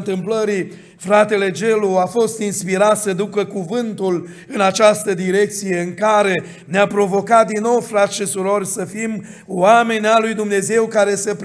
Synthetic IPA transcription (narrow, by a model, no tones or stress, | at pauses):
nt̪ɨmpləɾi | fɾat̪e̞le̞d͡ʒe̞luafo̞st̪inspiɾat̪səd̪ukəkuvɨnt̪ul | ɨnat͡ʃast̪əd̪iɾe̞k̚t̪sije̞ɨŋkaɾe̞ | neapɾo̞vo̞kat̪̚d̪inːo̞wfɾat̪sʃisuɾo̞rʲsəfim | wame̞nʲalujd̪umne̞ze̞wkaɾe̞səp